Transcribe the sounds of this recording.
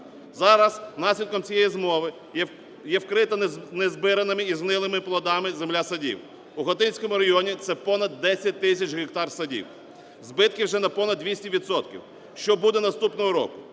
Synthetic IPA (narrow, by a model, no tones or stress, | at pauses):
zɑɾɐsnɑsʲlʲid̪̚kɔmt͡sʲijɛjizmɔʋɪ | jɛwkɾɪt̪ɐnezbɪɾɐnɪmɪiznɪlˠɪmɪplˠɔd̪ɑmɪzemlʲasɐdʲḭw | uɦɔt̪ɪnʲsʲkɔmʊɾɐɦiɔnʲit̪sɛpɔnɐd̪ːɛsʲɐt̚ʲt̪ːɪsʲɐt͡ʃɦekt̪ɑrsɐdʲḭw | zbɪt̪̚kʲiwʒɛnɐpɔnɐd̪ːʋʲisʲtʲiʋʲid̪sɔt̪kʲḭw | ʃt͡ʃɔbud̪ɛnɐst̪upnɔɦɔɾɔ̰kʊ